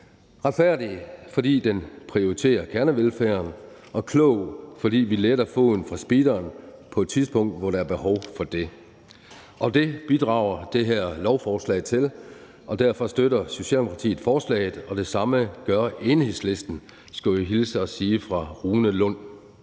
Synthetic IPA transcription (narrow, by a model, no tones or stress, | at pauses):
ʁɑ̈d̥fæɐ̰d̥ifɒ̽d̥ḭːd̥enpʰʁio̝ʁit͡sʰe̝̰ːɐkʰæɐnəʋelfæːɐnʔɒ̽kʰlɔʊ̰fɒ̽dḭːʋileɾ̥ɐfo̝ð̰ˠn̩fʁɑ̈sb̥id̥ɐːnpʰɒ̽ed̥t͡sʰiðˠspʰɔ̽ŋ̰d̥ʋɒɾɑæɐb̥e̝hɒʊfɒ̽d̥e̝ | ʔɒ̽d̥e̝b̥id̥ʁɑ̈ʊ̰ɐd̥e̝ɦæɐ̰lɒʊfɒːslɛ̰ɪt͡sʰe̝l | ʔɒ̽d̥æɐ̰fɒ̽sd̥øɾɐso̝ɕɛ̰ldemokʰɑt͡sʰḭːð̩ˠfɒːslɛ̰ːɪð̩ˠɒ̽d̥e̝sɑ̈məɡ̥ɶɐe̝ːnhe̝ðˠsle̝sd̥n̩ | sɡ̥oɦilsəɒ̽siːfʁɑ̈ʁuːnəlɔ̽n̰